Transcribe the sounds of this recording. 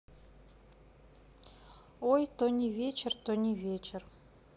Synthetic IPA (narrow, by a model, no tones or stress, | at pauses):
ojt̪onʲivʲet͡ɕɪ̆rt̪onʲivʲet͡ɕɪ̆r